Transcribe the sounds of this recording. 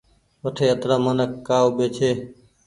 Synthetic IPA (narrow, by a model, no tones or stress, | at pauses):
ʋəʈʰeːət̪ɾaːməːnəkːaːoːɓeːt͡ʃʰeː